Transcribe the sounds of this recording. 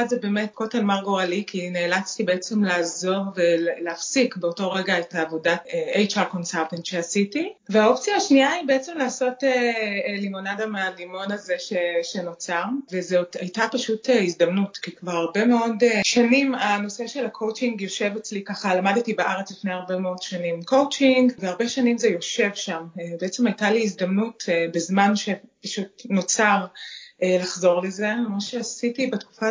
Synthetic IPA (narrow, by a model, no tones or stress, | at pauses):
adzebeːmet̚ko̞telmaʁɡoʁalikʰineːlat͡stibeet͡semlaːzo̞ʁvelleafsikbeoto̞ʁeɡaetaːvo̞datejt͡ʃako̞nsaltentʃeasitiveao̞pt͡sijaːʃniaibeet͡se̞mlaːso̞telimo̞nadamealimo̞nazeʃeʃeno̞t͡saʁvezeoajtapaʃuteizdamnutkikvaʁaʁbe̞meo̞deʃanimano̞se̞ʃelakʰo̞wt͡ʃiŋɡjo̞ʃe̞vet͡slikaχalamadetibeʔaʁet͡slifnejaʁbe̞meo̞dʃanimko̞wt͡ʃiŋɡveaʁbe̞ʃanimzejo̞ʃe̞vʃamebeet͡semajtaliːzdamnutbezmanʃe̞paʃutno̞t͡saʁʔelaχzo̞ʁle̞ze̞moʃeasitibetku̥fa